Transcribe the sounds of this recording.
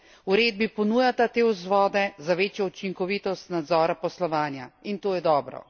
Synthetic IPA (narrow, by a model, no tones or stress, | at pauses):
uɾeːd̪̚bipɔnuːjat̪at̪eːwzʋɔːd̪ɛzaʋeːt͡ʃjɔut͡ʃiŋkɔʋiːt̪ɔst̪nad̪zɔːɾapɔslɔʋaːnjaint̪oːjɛd̪ɔːbɾɔ̰